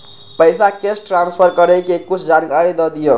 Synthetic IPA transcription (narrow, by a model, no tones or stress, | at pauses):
pəjsakesʈɾanspʰəɾkəɾəkekut͡ʃʰd͡ʒankaɾid̪ɔd̪ijo